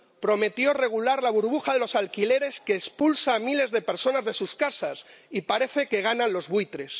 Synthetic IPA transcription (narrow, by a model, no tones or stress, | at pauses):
pɾo̞me̞t̪jo̞re̞ɣ̞ulaɾlaβ̞uɾβ̞uxaðe̞lo̞salkile̞ɾe̞ske̞ːspulsaːmile̞zðe̞pe̞ɾso̞nazðe̞suskasasipaɾe̞θe̞ke̞ɣ̞anãnlo̞zβuit̪ɾe̞s